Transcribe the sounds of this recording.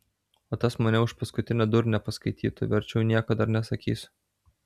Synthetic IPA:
oːt̪ɐsmɐnʲɛʊʃpɐskʊt̪ʲɪnʲɛd̪ʊɾnʲɛpɐskɐɪt̪ʲiːt̪ʊʋʲɛɾʲt͡ʃʲɛʊnʲiɛkɐd̪ɐɾnʲɛsɐkʲḭːsʲ

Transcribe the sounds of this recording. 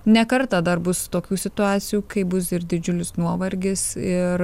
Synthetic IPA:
nʲɛkɐɾt̪ɑd̪ɐrbʊst̪oːkʲuːsʲɪt̪ʊɑːt̪sʲɪjuːkɐɪbʊsɪɾd̪ʲɪd͡ʒʲʊlʲɪsnuɔʋɐɾʲɡʲɪsɪɾ

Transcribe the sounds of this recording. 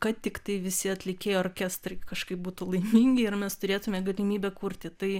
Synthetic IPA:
kɐt̪ʲɪktt̪ɐɪʋʲɪsʲɪɐt̪ʲlʲɪkʲeːjooːrʲkʲæst̪rɐɪkɐʃkɐɪp̚buːt̪ulˠɐɪmʲiːŋʲɡʲɪɪrmʲɛst̪ʊɾʲeːt̪ʊmʲɛɡɐlʲɪmʲiːbʲɛkuɾʲt̪ʲɪt̪ɐɪ

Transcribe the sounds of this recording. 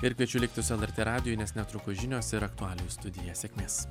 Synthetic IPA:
ɪɾkʲɛt͡ʃʲʊlʲɪk̚ʲt̪ʲɪsʊɛlˠɛɾʲt̪ʲeːɾɑːd̪ʲɪjojnʲɛsnʲɛt̪ɾʊkʊʒʲɪnʲoːsɪɾɐkt̪ʊɑːlʲojʊst̪ʊd̪ʲɪjæːsʲekʲmʲeːs

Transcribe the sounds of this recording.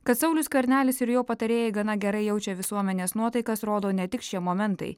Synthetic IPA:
kɐt̪sɐʊlʲʊskɐɾʲnʲæːlʲɪsɪɾjoːpɐt̪ɐɾʲeːjɛɪɡɐnɐɡʲɛɾɐɪjɛʊt͡ʃʲɛʋʲɪsuɔmʲɛnʲeːsnuɔt̪ɐɪkɐsɾoːd̪oːnʲɛt̪ʲɪkʃʲiɛmoːmʲɛnt̪ɐ̰ɪ

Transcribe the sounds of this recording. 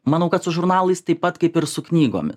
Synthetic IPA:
mɐnɐʊkɐt̪sʊʒʊɾnɑːlˠɐɪst̪ɐɪpɐt̪kɐɪpɪɾsʊknʲiːɡo̰ːmʲɪs

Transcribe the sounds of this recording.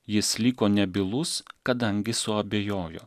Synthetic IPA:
jɪslʲikoːnʲɛbʲɪlˠʊskɐd̪ɐŋʲɡʲɪsʊɐbʲeːjoːjo̰ː

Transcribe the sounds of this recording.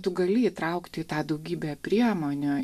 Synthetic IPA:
t̪ʊɡɐlʲɪit̪ɾɐʊkt̪ʲɪɪt̪ɑːd̪ɐʊɡʲiːbʲeːpʲɾʲiɛmoːnʲoː

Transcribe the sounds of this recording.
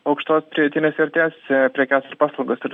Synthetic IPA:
ɐʊkʃt̪oːspʲɾʲɪjɛt̪ʲinʲesʲɛɾʲt̪ʲeːspʲɾʲɛkʲæːsɪɾpɑːslˠɐʊɡosɪɾ

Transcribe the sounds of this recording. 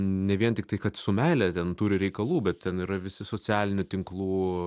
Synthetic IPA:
nʲɛʋʲiɛnt̪ʲɪkt̪ɐɪkɐt̪sʊmʲæɪlʲɛt̪ʲɛnt̪uːɾʲɪɾʲɛɪkɐlˠuːbʲɛt̪tʲɛniːɾɐʋʲɪsʲɪsoɔt͡sʲæːlʲɪnʲʊt̪ʲɪŋklˠuː

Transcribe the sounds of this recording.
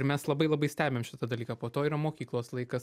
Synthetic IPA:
ɪɾmʲɛslˠɐbɐɪlˠɐbɐɪsʲt̪ʲæːbʲemʃʲɪt̪ɐd̪ɐlʲiːkaːpoːt̪oːiːɾɐmoːkʲiːklˠoːslˠɐɪkɐs

